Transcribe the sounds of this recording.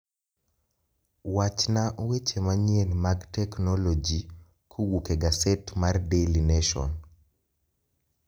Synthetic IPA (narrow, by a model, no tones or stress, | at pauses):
wat͡ʃnaʔwet͡ʃemaɲienmaɡtɛknɔlɔd͡ʒi | kʰowukeɡasɛtmardelineʃɔ̰n